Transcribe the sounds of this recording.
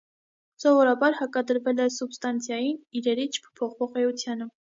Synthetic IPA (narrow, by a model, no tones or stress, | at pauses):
sɔvɔɾɑbɑɾhɑkɑd̪əɾvɛlɛsubst̪ɑnt͡sʰjɑjiniɾɛɾit͡ʃʰpʰpʰɔχvɔʁɛut͡sʰjɑnə